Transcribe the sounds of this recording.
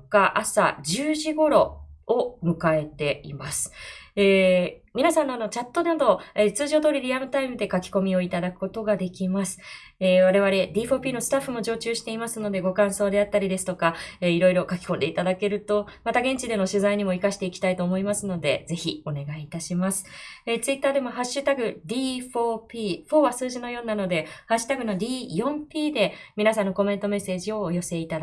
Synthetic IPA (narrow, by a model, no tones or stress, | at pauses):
kaʔasa̰ʑɨːʑiɡo̞ɾo̞omɯ̟kae̞t̪e̞ḭmasɨ̥eː | mʲinasãnːo̞ano̞t͡ɕat̪ːo̞d̪and̪o̞et͡sɨːʑo̞ːd̪o̞ːɾʲiɾʲiamɯ̟t̪aimɯ̟d̪e̞kakʲi̥ko̞mʲio̞it̪ad̪akɯ̟̥ko̞t̪o̞ɡad̪e̞kʲimasɨ̥ | eːβaɾe̞βaɾe̞d̪ʲiːɸo̞ːpʲiːno̞sɨ̥t̪aɸːɯ̟mo̞d͡ʑo̞ːt͡ɕɨːɕi̥t̪e̞imasɨno̞d̪e̞ɡo̞kãɰ̃so̞ːd̪e̞at̪ːaɾʲid̪e̞sɨ̥t̪okaeiɾo̞iɾo̞kakʲi̥kõ̞nd̪e̞it̪ad̪ake̞ɾɯ̟t̪o̞mat̪aɡẽ̞ɲ̟t͡ɕid̪e̞no̞ɕɨzaiɲ̟imo̞ikaɕi̥t̪e̞ikʲi̥t̪ait̪o̞ːmo̞imasɨno̞d̪e̞̰d͡ze̞çio̞ne̞ɡait̪aɕimasɨ̥et͡sɨit̪ːaːd̪e̞mo̞ɦaɕːɨt̪aɡɯ̟d̪ʲiːɸo̞ːpʲiːɸo̞ːβasɨːʑino̞jo̞ːnːano̞d̪e̞haɕːɨ̥t̪aɡɯ̟no̞dʲiːjõ̞mpʲiːd̪e̞mʲinasãnːo̞ko̞me̞nt̪o̞me̞se̞ːʑio̞ːjo̞se̞it̪ad̪